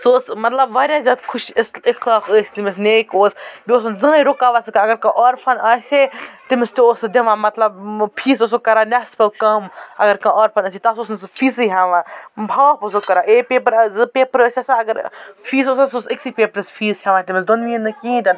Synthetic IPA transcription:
soːsmɐt̪lɐbʋaːɾʲjaːzʲaːd̪kʰʊʃsɪxlaːkəːsʲt̪imɪs̬neːkoːsbʲioːsnzɐ̃ːiɾokaːʋasɐkɐɐɡɐɾkɐ̃ʔaːɾpʰɐnaːsʲet̪imɪst̪ioːsd̪ɐʋãːmɐt̪lɐbpʰiːs̬os̬okɐɾanaspɐlkɐmɐ̰ɡɐɾkɐ̃ʔoːɾpʰɐnɐːset̪aːsosnspʰiːsɨɦaʋãːbʱaːposokɐɾaːʔeːpeːpɐɾzpeːpɾəːsʲasaɐɡɐɾpʰiːsosasosiksipʲeːpɾɐspʰiːshʲaʋãːt̪imɪsd̪onʋiːnːɨkĩːd̪ʲɐn

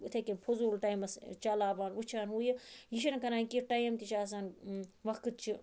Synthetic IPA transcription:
t̪ʰekʲimpʰozuːlʈɐjmɐst͡ʃalaːbaːnut͡ʃʰaːnɦuːjijiʃ̬inkɐnaːikiʈajmt̪it͡ʃaːs̬aːnʋɐkkɨt̪̚t͡ʃʰi

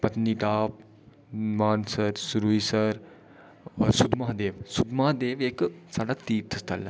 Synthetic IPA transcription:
pɐt̪niːʈaːp̚ | maːnsəɾsʊɾuːisəɾ | sʊd̪mãːd̪eːʋsʊd̪maːd̪eːʋeksaːɖaːt̪iːɾt̪ʰəst̪ʰə̰lː

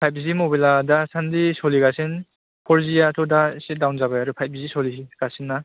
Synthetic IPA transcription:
pʰajp̚zimɔbaladasandisɔliɡasen | pʰɔɾzijatʰɔdasit̚dawnzabajaɾupʰajp̚zisɔliɡ̥asinːa

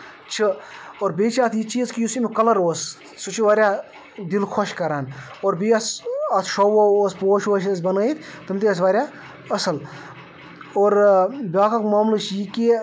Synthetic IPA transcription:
t͡ʃʰɨoːɾbeːt͡ʃʰaːt̪ʰjit͡ʃiːzkijusimikɐlɐɾoːsː | ut͡ʃʰiʋaːɾʲaː | d̪ilkʰoʃkɐɾaːnoːɾbiːɐsɐt̪ʰʃowooːspoːʃoːʃɐs̬bɐnəjt̪t̪ɨmʲt̪iɐsʋaːɾʲjaː | ɐsɐl | oːɾbʲaːkɐkmaːmlɨʃjiki

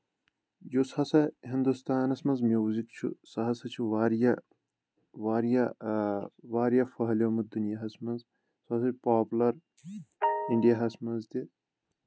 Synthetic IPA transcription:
jushɐsɐɦind̪ust̪aːnɐsmɐnzmjuːzikt͡ʃʰṵsɐɦɐsɐt͡ʃʰuʋaːɾjɐ | ʋaːɾjɐ | ʋaːɾjɐfɐɦɐloːmud̪unijɐɦɐsmɐnz | sɐɐs̬ɐpaːpulɐɾ | iɳɖijɐɦɐsmɐnzt̪i

